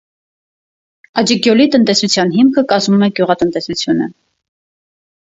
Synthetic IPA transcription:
ɑd͡ʒəɡjɔlit̪ənt̪ɛsut͡sʰjɑnɦimkʰəkɑzmumɛɡjuʁɑt̪ənt̪ɛsut͡sʰjunə̰

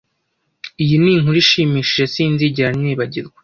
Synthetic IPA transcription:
ijiniŋhuɾiʃiːmiːʃiʒesiːnziɟiɾaniːβaɟiɾɡwe̥

